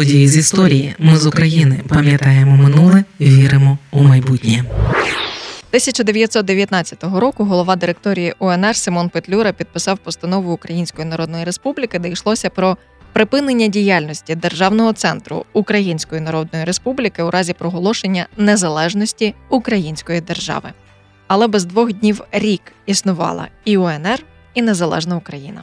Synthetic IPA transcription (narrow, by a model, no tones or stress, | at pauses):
ɔdʲijizʲist̪ɔɾʲijimɪzʊkɾɐjinɪpɐmʲjɐt̪ɑjemɔmɪnulˠɪʋʲiɾɪmɔumɐjbutʲnʲi | t̪ɪsʲɐt͡ʃɐd̪eʋʲjɐt̪ʲsɔt̪d̪eʋjɐt̪nɑt͡sʲːɐ̥t̪ɔɦɔɾɔkʊɦɔlˠɔʋɑd̪ɪɾek̚t̪ɔɾʲijiʔɔɛnɛrsɪmɔnpɪt̪lʲuɾɐpʲid̪̚pɪsɑwpɔst̪ɐnɔʋʊːkɾɐjinʲsʲkɔjinɐɾɔd̪nɔjiɾespublʲikɪd̪ɛjʃlˠɔsʲɐpɾɔ | pɾɪpɪnenʲːɐdʲijalʲnɔsʲtʲid̪erʒɑwnɔɦɔt̪sɛnt̪ɾʊ̰ukɾɐjinʲsʲkɔjinɐɾɔd̪nɔjiɾe̞spublʲikɪwɾʔɑzʲipɾɔɦɔlˠɔʃe̞nʲːɐnezɐlˠɛʒnɔsʲtʲiukɾɐjinʲsʲkɔjid̪e̞rʒɑ̰ʋɪ̰ | ɐlˠɛbɛzd̪ʋɔɣdʲnʲiwɾʲik | isnʊʋɑ̰lˠɐ̰iɔɛnɛr | inezɐlˠɛ̰ʒnɐʊkɾɐjinɐ̰